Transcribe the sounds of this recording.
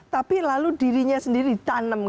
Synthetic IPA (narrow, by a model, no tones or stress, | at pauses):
t̪apilaludiɾiɲasəndiɾit̪anəm